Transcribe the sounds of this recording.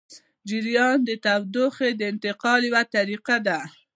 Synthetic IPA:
d͡ʒɪɾjɑnd̪ət̪awd̪oxed̪əɪnt̪ɪqɑljwat̪aɾiqad̪a

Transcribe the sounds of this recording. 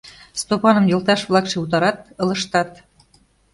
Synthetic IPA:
st̪opɑnɤ̆mjɤ̆lˠt̪ɑʃβlɑkʃeut̪̬ɑɾɑt̪ɤ̆lɤ̆ʃt̪ɑt̪

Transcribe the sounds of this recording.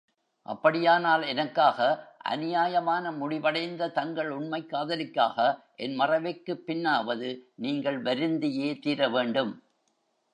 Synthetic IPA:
ʔɐ̰pːɐɽɪjaːnaːlɛnɐkːaːɣɐʔɐ̰nɪjaːjɐmaːnɐmʊɽɪʋɐɽɐɪnd̪ɐt̪ɐŋɡɐɭʊɳmɐɪkːaːðɐlɪkːa̰ːɣɐʔɛnmɐrɐʋɐɪkːɯpːɪnːaːʋɐðɯniːŋɡɐɭʋɐɾɯnd̪ɪjeːt̪iːɾɐʋeːɳɖɯm

